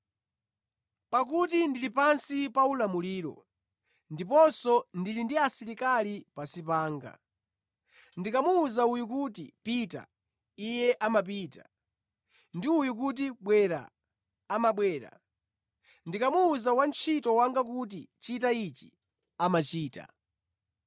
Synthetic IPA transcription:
pak̬utindilipansipaulamuliːɾɔ̰ | ndipɔnsɔndilindiasiɾikalipasipaːŋɡa̰ | ndikamuːzaujukutḭpita̰ | ijɛʔamap̬iːta̰ | ndiujuk̬ut̬iɓwɛɾa̰ː | maɓwɛːɾa̰ | ndikamuːzawant͡ʃʰitɔwaŋɡak̬ut̬ḭt͡ʃitait͡ʃi | amat͡ʃiːta̰

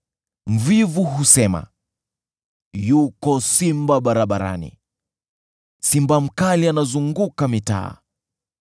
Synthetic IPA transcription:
m̩vivuɦusɛma̰ | jukɔsimbaɓaɾaɓaɾa̰nḭ | simbam̩kalianazuŋɡukamita̰ː

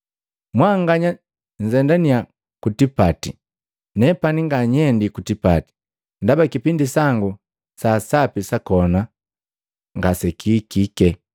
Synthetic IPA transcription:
mwaŋɡaɲa | ɲ̩zɛndania | kutipati | nɛpaniŋɡaɲɛndikutipati̥ | ndabakipindisaŋɡu | sasapisakɔna | ŋɡasɛkʰikikɛ

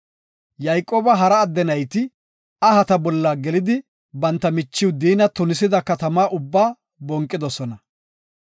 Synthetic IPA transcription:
jɐjkʼːoːbɐɦɐɾɐːd̪ːɛnɐjt̪ɪ | ɐɦɐt̪ɐbɔlːaːɡɛlɪd̪ɪ | bɐnt̪ːɐmɪt͡ʃːɪwd̪iːnɐt̪ʊnɪsɪd̪ɐkɐt̪ɐmaːʔʊbːaː | bɔŋkʼːɪd̪ɔsɔnɐ

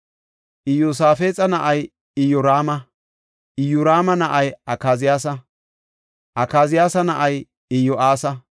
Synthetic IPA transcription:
ʔɪjosaːfeːt͡sʼɐnɐʔɐj | ɪjɔɾaːmɐ | ʔɪjʊɾaːmɐnɐʔɐjʔɐkaːzɪjaːs̬ɐ | ʔɐkaːzɪjaːsɐnɐʔɐj | ɪjɔʔaːsɐ

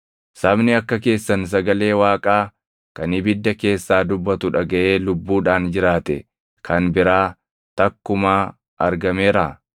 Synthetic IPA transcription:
sɐbnɪɐkːɐke̞ːsːɐns̬ɐɡɐle̞ːwaːkʼaː | kɐnɪbɪd̪ːɐke̞ːsːaːd̪ʊbːɐt̪ʊᶑɐɡɐʔe̞ːlʊbːuːᶑaːnd͡ʒɪɾaːt̪ɛ̰ | kʰɐnbɪɾaː | t̪ɐkːʊmaː | ʔɐɾɡɐmeːɾaː

